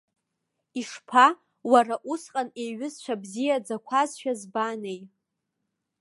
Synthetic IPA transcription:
iʂpʰa | waɾaʔusqʼanejɥʊzt͡ʃʷʰabzijad͡zakʷʰazʃᶣazbanej

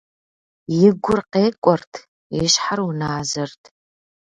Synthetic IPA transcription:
jɪɡʷʊrqeːkʷʼɔrtʰ | eːɕħarwʊnaːzɐrtʰ

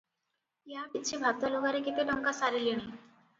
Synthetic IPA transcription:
jabit̪ːt͡ɕibʱab̚t̪aloɡaɾekit̪eʈɔŋkasaɾiliɽ̃i

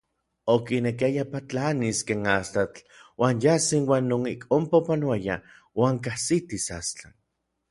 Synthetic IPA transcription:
okinekiajapat͡ɬaniskeːnast̪at͡ɬ | waːnjasinwaːnːoŋikʼompapanoaja̰ | waːŋkahsit̪isa̰st͡ɬa

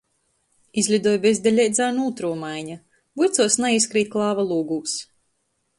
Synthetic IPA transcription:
izʲlʲud̪uɔjbezʲd̪ʲɛlʲɛjd̪zaːnulˠt̪ɾuɔmajɲa | bujt̪suɔsnaiskɾiːt̪̚ʲklˠaːvalˠuːɡuːs

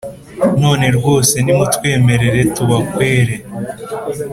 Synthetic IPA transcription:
noːneɾɡo̞ːse̞nimutwe̞ːme̞ɾe̞ɾe̞tuβakwe̞ːɾe

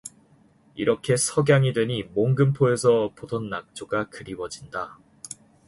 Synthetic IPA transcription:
iɾʌkʰe̞sʰʌɡjaŋidwe̞ɲimoŋɡɯmpʰoe̞sʰʌpodʰonːak̚t͡ɕ͈oɡakɯɾiwʌd͡ʑinda

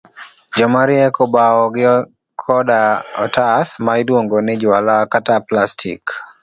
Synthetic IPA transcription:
d͡ʒɔmaɾjɛkɔbaɔɡɪ | kʰɔdaɔtasmaɪdwoŋɡonɪd͡ʒwalakataplastʰḭk

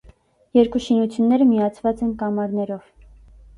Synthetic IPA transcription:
jɛɾkuʃinut͡sʰjunːɛɾəmijɑt͡sʰvɑt͡sɛnkɑmɑɾnɛɾɔv̥

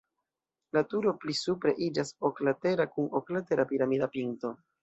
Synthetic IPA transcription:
latuɾo̞plisupɾe̞ʔid͡ʒasoklate̞ɾakunoklate̞ɾapiɾamidapinto̞

